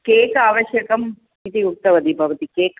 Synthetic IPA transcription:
keːkaːʋɐʃjɐkɐm | it̪iuk̚t̪ɐʋɐt̪ibʱɐʋɐt̪ikeːk

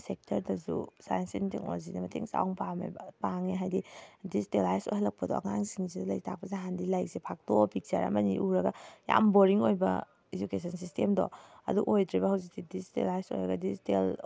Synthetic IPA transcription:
sek̚tʰɐɾdɐzṵsa̰jensintiŋo̰zinɐmɐtʰeŋsa̰wŋpamḛbɐpaŋiɦajdidisitelajsojɦalɐk̚pɐdɔɐ̰ŋaŋsiŋizidalɐ̰jtʰak̚pɐzeɦandilajsepʰak̚tɔpʰik̚t͡ʃɐɾɐ̰mɐniʔuɾɐɡaja̰mboɾiŋojbɐ̰ | ed͡ʒukesʰɐnsistemdɔ̰ɐduʔojdɾibɐhawzik̚sidizitḛlajso̰jɾɐɡɐdizitel

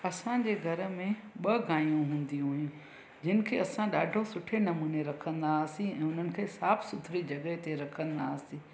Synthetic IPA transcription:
ɐsãd͡ʑeːɡʱɐɾə̆mẽ | ɓɐɡaːĩjũɦũːn̆d̪iɦujũ | d͡ʑɪnɪ̆kʰeːɐsãɗaːɖʱosʊʈʰenɐmuːneɾɐkʰə̃nd̪aːsĩɛ̃ːʊn̤ənɪ̆kʰeːsaːbʰsʊd̪ʱɾid͡ʑɐɠəɦet̪eɾɐkʰə̃nd̪aːsĩː

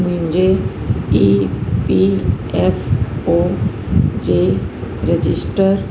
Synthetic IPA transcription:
muimd͡ʑe | ipi | efo | d͡ʑeɾed͡ʑisʈəɾ

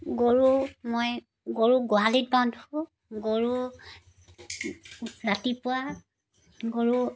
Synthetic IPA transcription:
ɡoɹumoj | ɡoɹuɡɔɦalit̚banduʊ | ɡoɹu | ɹatipʊwa | ɡoɹu

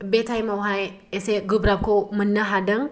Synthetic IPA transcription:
betʰajmawɦaj | eseɡubɾab̚komənːəɦadəŋ

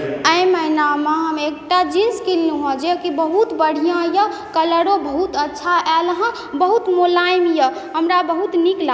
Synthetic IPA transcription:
əjməjnameɦəmek̚ʈad͡ʒinskilniɦõd͡ʒekibəɦut̪bəɽ̤ijãjəkələɽobəɦut̪ətːʃʰaʔɛlɦə̃ | bəɦut̪molajmjəɦəmɾabəɦut̪nikla

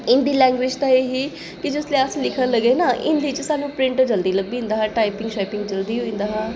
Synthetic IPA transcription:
ɪnd̪iːlɛ̃ːŋɡʋɪd͡ʒt̪aːeːɦiː | kɪd͡ʒʊsleəslɪkʰə̃nləɡeːnaʔɪ̰nd̪it͡ʃsaːnũːpɾɪ̃ɳʈd͡ʒəld̪iːləɡ̚biɦĩnd̪aːɦãːʈaːipɪŋɡʃaːpɪŋɡd͡ʒəld̪iːɦoĩnd̪aːɦãː

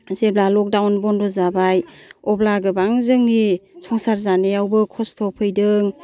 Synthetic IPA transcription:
zeblalɔk̚dawnbɔndɔzabajɔblaɡɯbaŋzɯŋnisʰɔŋsaɾzaneawbɯkʰɔstʰɔpʰɯjdɯŋ

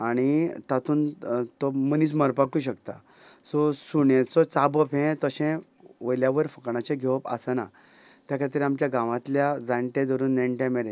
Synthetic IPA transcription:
aɽ̃it̪at̪ʰuːnt̪ɔməniːt͡sməɾpakuːɕəkt̪a | sɔsuɳẽt͡sɔt͡sabəpʰẽt̪əɕẽ | ʋəjljaʋəɾfəkɳat͡ɕẽɡʱeʋpa̰sana̰ | t̪jakʰat̪iɾiamt͡ɕjaɡãʋãt̪ljad͡zãɳʈẽd̪əɾuːnːeɳʈjẽmeɾe

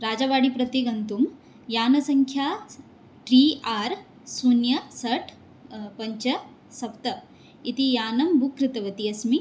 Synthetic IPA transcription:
ɾaːd͡ʒaʋaːɽipɾɐt̪iɡɐnt̪um | jaːnɐsɐŋkʰjaː | ʈɾiːaːɾ | sunjɐsɐʈʰ | pɐɲt͡ʃɐ | sɐpt̪ɐ | it̪ijaːnɐmbʱukɾɪt̪ɐʋɐt̪iɐsmi

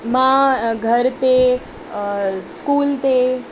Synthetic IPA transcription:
mãɡʱəɾt̪e | skuːlt̪e

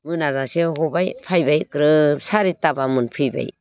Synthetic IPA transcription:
mɯnazaseɦɔbajpʰajbajkɾɯsaɾitːabamɯnpʰɯjba̰j

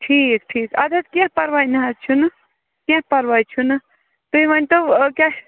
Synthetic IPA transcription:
ʈʰiːk̚ʈʰiːkɐd̪ʱɐt̪kãpɐɾʋajnɦat͡ʃʰun | kãɦpɐɾʋajt͡ʃʰunɨ | t̪uiʋɐnʲt̪okja

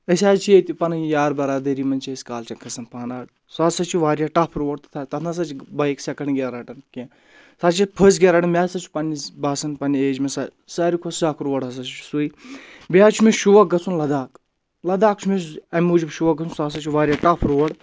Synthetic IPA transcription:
ɐsʲaːzt͡ʃʰiet̪ʲipɐnɨjaːɾbɐɾaːd̪ɐɾiːmɐnt͡ʃʰiesʲkaːlt͡ʃʰɐnkʰɐsɐnpʰaːnaːɽ | saːsɐt͡ʃʰiʋaːɾʲjaːʈɐpʰɾoːɐɽt̪t̪ʰaːt̪ɐt̪ʰnas̬ɐt͡ʃʰibɐiksɐkɐnɡʲeɾɐʈɐnkẽ | sat͡ʃʰipʰəsɡeɾɐːʈɐnmʲaːsɐt͡ʃʰu̥pɐnibaːsɐnpɐnieːd͡ʒmesɐ | saːɾikʰossaːkʰɾoːɐɽɐs̬ɐt͡ʃt͡ʃʰu̥sui | biaːt͡ʃʰumeʃuʋɐk̚ɡɐt͡sʰunlɐd̪aːk | lɐd̪aːk̚t͡ʃʰumesɐmʲuːd͡ʒubʃuʋɐk̚ɡɐt͡sʰunsaːs̬ɐt͡ʃʰiʋaːɾjaːʈɐpʰɾoːɐɽ

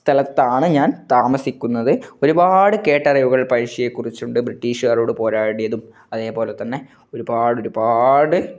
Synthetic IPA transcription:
st̪ʰɐlɐt̪ːaːɳɨɲaːnt̪aːmɐsikʲːunːɐðɨo̞ɾubaːɽɨke̞ːʈːɐrɐjʋuɣɐɭpɐɻʂije̞kːurit͡ɕːuɳɖɨbriʈːiːʂuɣɐːroːɽɨpo̞ːɾaːɽijɐðum | ɐðe̞ːpo̞ːle̞t̪ːɐnːe̞ | o̞ɾubaːɽo̞ɾubaːɽɨ

